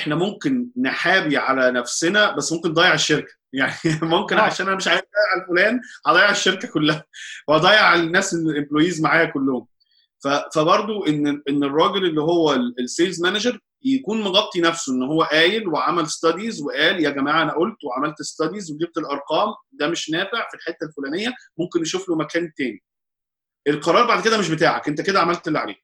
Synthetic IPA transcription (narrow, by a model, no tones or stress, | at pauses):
ʔeħnæmomkenːeħaːbiʕalænæfsenæbæsːmomkenːd̪ɑːjeʕeʃːeɾkæ̥jaʕnimomkenʕaʃænʔænæmeʃʕaːjefd̪ˤɑjeʕalfolæːnʕɑd̪ˤɑːjeʕeʃːeɾkækolːæhæweʔɑd̪ˤɑːjːeʕelnːæːsenelʔembloːjiːzmaʕaːjækolːohom | fæfæbɑɾˤd̪ˤoʔenːʔenːerˤːɑːɡelelːiɦowːælelseːlzmænæʒɑɾˤ | jækuːnmoɡɑb̚t̪ˤinæfsoʔenːɦowːæʔæːjelweʕamælest̪ɑd̪izweʔæːljæɡæmæːʕaʔænæʔolt̪weʕamælt̪est̪ɑd̪izweɡ̪ib̚t̪elʔɑɾˤqɑːmd̪æmeʃnæːfeʕfilħet̪ːælfolæːnejːæmomkenːeʃuflomækæːnt̪æːni | ʔelqɑɾˤɑːɾˤbaʕd̪̚ked̪æmeʃ̬bet̪aːʕækʔent̪æked̪æʕamælt̪elːiʕalḛː